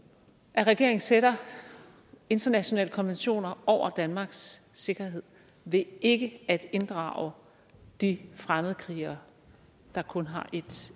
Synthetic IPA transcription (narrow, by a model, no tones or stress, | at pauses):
ʔæʁɛɡ̥e̝̰ɐ̰eŋ̩seɾɐ | e̝nd̥ɐnæɕo̝nɛ̰ːləkʰɒ̽nʋenɕo̝̰ːnɐʔɒʊ̰ɐd̥ænmɑ̈ːɡ̥sːe̝ɡ̥ɐɦe̝ð̞̰ˠ | ʋe̝e̝ɡ̥əæd̥e̝nd̥ʁɑ̰̈ʊə | d̥ifʁaməð̩ˠəkʰʁiːɐ | d̥ɑ̈kʰɔ̽nɦɑ̈ʔe̝d̥